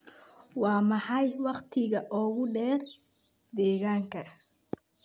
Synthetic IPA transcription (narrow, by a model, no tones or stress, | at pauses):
wɑːmɑħɑjwɑqt̪ʰɪɣɐʔɔːɣʊɖɛːr | d̪ɛːɣaːŋkʰɐ